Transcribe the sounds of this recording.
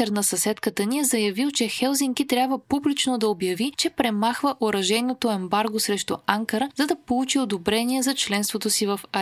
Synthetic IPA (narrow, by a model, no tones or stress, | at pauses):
ɛɾnɐsɐsɛt̪kət̪əniɛzɐjɐvilˠt͡ʃɛxɛlˠziŋk̟it̪ɾʲabvəpublit͡ʃnod̪ɐobjɐvit͡ʃɛpɾɛmaxvəʔoɾɐʒɛnot̪oɛmbaɾɡosɾɛʃt̪ʊ̰ʔaŋkəɾəzɐd̪ɐpolˠut͡ʃiod̪obɾɛniɛzɐt͡ʃlɛnst̪vot̪osivəfɐ